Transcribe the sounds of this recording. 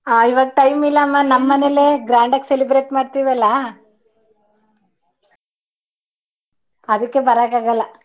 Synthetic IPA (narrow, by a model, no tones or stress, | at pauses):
aːiʋaːɡ̚ʈɐjmilːɐːmːanɐmːɐneleɡɾaːɳɖɐkːselibɾeːʈmaːɖt̪iːʋɛlːɐ | ɐd̪ɐkːebɐɾaːɡaːɡɐlːɐ